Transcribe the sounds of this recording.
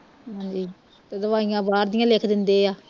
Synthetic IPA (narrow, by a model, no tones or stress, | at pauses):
ɦãːd͡ʒiː | t̪ed̪əʋaːijãːbaːɾd̪ɪjãːleːkʰd̪ɪnd̪eːaː